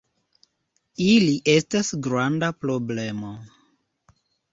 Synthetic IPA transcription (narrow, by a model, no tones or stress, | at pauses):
iliʔe̞stasɡɾandapɾo̞ble̞mo̞